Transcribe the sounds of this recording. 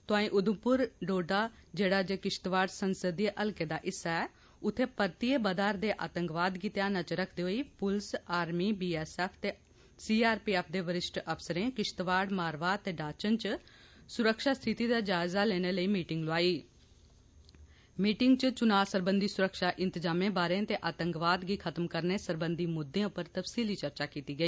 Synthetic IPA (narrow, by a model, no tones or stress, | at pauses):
t̪ʊãːĩːʔʊd̪əmpʊɾɖoːɖaːd͡ʒeːɽaːd͡ʒekɪʃt̪ʋaːɽsənsəd̪ieʔəlkeːd̪aːʔɪsaɛ | ʊt̪ʰːeːpəɾt̪iːeːbəd̪aːɾd̪eːʔaːt̪ə̃ŋkʋaːd̪kit̪jaːnət͡ʃɾəkʰd̪eːɦoiːpʊlsaːɾmiːbiːɛːsɛːpʰt̪eː | siːaːɾpiːɛːpʰd̪eːʋəɾɪʃʈəpsəɾẽːkɪʃt̪ʋaːɽmaːɾʋaːt̪eːɖaːt͡ʃənt͡ʃ | sʊɾəkʃaːst̪ʰɪt̪iːd̪aːd͡ʒaːɪzaːlɛːñeːləiːmiːʈɪŋɡloaːiː | miːʈɪŋɡt͡ʃət͡ʃʊnaːsəɾbənd̪ʱiːsʊɾəkʃaːʔɪ̃nt̪əzaːmẽːbaːɾẽːt̪eːʔaːt̪ə̃ŋkʋaːd̪ɡiːkʰət̪əmkəɾneːsəɾbənd̪iːmʊd̪ʱːẽãːpəɾt̪əpsiːliːt͡ʃəɾt͡ʃaːkiːt̪iːɡəiː